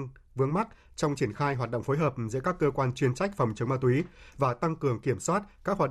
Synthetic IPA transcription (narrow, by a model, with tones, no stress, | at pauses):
ŋ | vɨ˨˦əŋma˦˥t̚t͡ɕɔ˧wŋ͡mt͡ɕi˧˩ənxaː˧jɦwaː˨˩t̚ɗə̰˧˨ŋ͡mfoː˨˦jɦəː˨˩p̚zɨ̰˧˥əkaː˦˥kːəː˧kwaː˧nt͡ɕwi˧ənt͡ɕa˦˥jk̟̚fɔ˨˩wŋ͡mt͡ɕɨ˨˦ŋ͡mmaː˧t̪̬wi˨˦vaː˨˩t̪a˧ŋkɨ˨˩əŋki˧˩əmswaː˦˥t̚kaː˦˥k̚haː˨˩